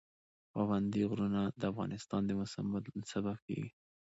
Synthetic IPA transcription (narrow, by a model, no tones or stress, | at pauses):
pawand̪iɣɾunad̪əafɣɑ̰nɪst̪ɑnd̪əmʊsamːad̪sabab̚kḛɡi